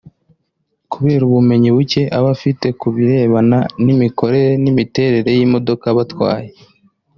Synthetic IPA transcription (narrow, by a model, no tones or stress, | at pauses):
kuβe̞ːɾuβume̞ɲiβuce̞ʔaβafite̞kuβiɾe̞ːβananimiko̞ɾe̞ɾe̞nimite̞ːɾe̞ɾe̞jimo̞do̞kaβatwa̰ːje